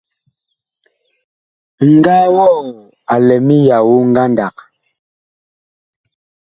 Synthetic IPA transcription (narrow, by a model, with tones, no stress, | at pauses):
ŋ̩˨ɡaː˦wɔ˦˨ | a˨lɛ˨mi˦ja˨wu˦ŋ̩˦ɡa˦nda˨k̚